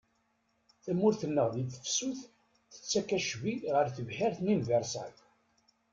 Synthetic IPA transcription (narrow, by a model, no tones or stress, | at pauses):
θæmʊɾθənːəʁðiθə̥fsuθ | θə̥t͡sːækæʃviʁəɾθəvħɪɾθnimvəɾˤsæk